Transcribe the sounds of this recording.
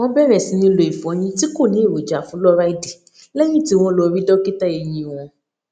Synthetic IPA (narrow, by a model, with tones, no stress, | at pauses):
w̃ɔ̃˦bɛ˦˨ɾɛ˦˨sĩ˨˦nĩ˧lo˨i˨fɔ̃˨˦ɲ̃ĩ˧ti˦ko˦˨nĩ˨˦e˦˨ɾo˨d͡ʒa˨fũ˨˦lɔ˦ɾa˦i˦di˨ | lɛ˦jĩ˦˨ti˨˦w̃ɔ̃˧lɔ˧ɾi˦dɔ˦ke˦ta˦e˧jĩ˧˨w̃ɔ̃˧